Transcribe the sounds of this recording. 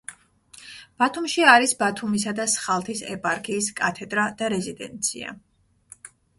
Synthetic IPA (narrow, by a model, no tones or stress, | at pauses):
b̥at̪ʰumʃiaɾisbat̪ʰumis̬ad̪asχalˠt̪ʰisɛpʼaɾkʰiːskʼat̪ʰɛd̪ɾad̪̥aɾɛzid̪ɛ̰nt̪sʰḭa̰